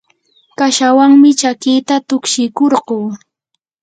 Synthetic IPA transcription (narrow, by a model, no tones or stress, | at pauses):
kaʃawaŋmɪt͡ʃakɪjt̪at̪ʊkʃɪjkoɾɢoː